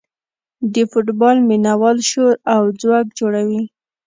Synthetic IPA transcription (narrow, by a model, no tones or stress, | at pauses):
d̪əfʊʈbɑlminawɑlʃoɾawd͡zwɑk̚d͡ʒoɽawi